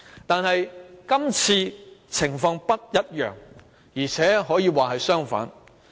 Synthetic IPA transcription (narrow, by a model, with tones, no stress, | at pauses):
t̪aː˨nhɐ˨jkɐ˥mt͡sʰiː˧t͡sʰɪ˨˩ŋfɔː˧ŋpɐ˥t̚jɐ˥t̚jœ̰ː˨ŋ | jiː˨˩t͡sʰɛː˨˥ɦɔː˨˥jiː˨˧waː˨˩ɦɐ˨jsœː˥ŋfa̰ː˨˥n